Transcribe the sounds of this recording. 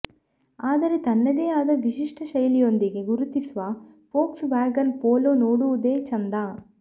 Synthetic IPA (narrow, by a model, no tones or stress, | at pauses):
aːd̪ɐɾet̪ɐnːɐd̪eːaːd̪ɐʋiʃiʂʈʰɐʃɐjlijo̞nd̪iɡeɡuɾut̪isʋɐ | poːksbaːɡɐnpoːloːnoːɽuʋud̪eːt͡ʃɐnd̪aː